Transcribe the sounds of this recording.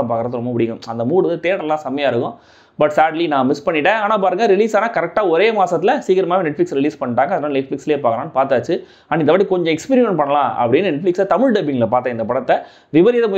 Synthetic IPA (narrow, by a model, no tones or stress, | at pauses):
paːkɐɾɐðɯɾɔmːɐpɪɽɪkʊ̃mɐnd̪ɐmuːɽɯðɯt̪eːɽɐlãːsɐmɐjaːɪɾɯkːʊ̃ | bɐʈsaːɖlinãːmɪspɐɳːɪʈːẽaːnaːpaːɾɯŋɡɐɾɪliːsaːnaːkɐɾɛk̚ʈaːɔɾeːmaːsɐt̪̬ːɪlɐsiːkɐɾɐmaːʋĩnɛʈflɪksɾɪliːspɐɳːɪʈːaːŋɡɐðɐnaːlɐɪʈfɪksleeːpaːkɐlãːnːɯpaːɾt̪aːt͡ʃːɯ | ɐnːɪnd̪ɐʋaːʈ̬ːikɔɲd͡ʒɔ̃ɛkspiːɾɪmɛ̃npɐɳːɐlãːɐ̰pːɐɽɪnːɯnɛʈflɪksat̪ɐmɪɻɖɐbɪŋɡɐlɐpaːɾt̪ːɐ̃ɪnd̪ɐpɐɽɐt̪ːɐ | ʋɪʋɐɾɪjɐðɐmʊ